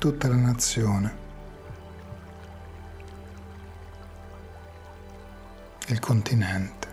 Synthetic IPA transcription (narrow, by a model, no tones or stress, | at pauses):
t̪ut̪ːalanat̪sːjoːne | ilkʰont̪inɛnt̪e̥